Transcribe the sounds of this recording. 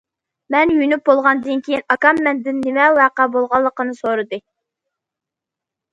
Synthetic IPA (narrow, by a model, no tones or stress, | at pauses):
mɛnjyjnyp̚bolˠʁɑnd̪ɨnkʲʰejinɑkɑmːɛnd̪ɪnːɪmɛwæqæbolˠʁɑlˠːəqənɨsoɾɨd̪ɨ